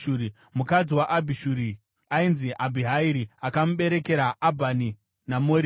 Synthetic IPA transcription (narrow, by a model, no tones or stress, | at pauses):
uɾi | mukad͡ziwaʔabʱiʃuɾi | ainziʔabʱiɦaiɾiakamuɓe̞ɾe̞ke̞ɾaːbʱani | namoːɾi